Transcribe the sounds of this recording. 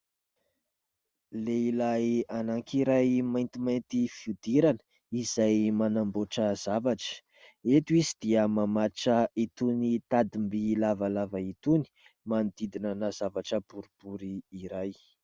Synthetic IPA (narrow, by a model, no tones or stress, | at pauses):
leilajanaŋkiɾajmajnt̪imajnt̪ifiud̪iɾanə̥ | izajmanamboʈ͡ʂəzavaʈ͡ʂə̥ | et̪uizid̪iəmamaʈ͡ʂəit̪unit̪ad̪imbilavalavait̪uni̥ | mand̪id̪inənazavaʈ͡ʂəbuɾib̥uɾiːɾaj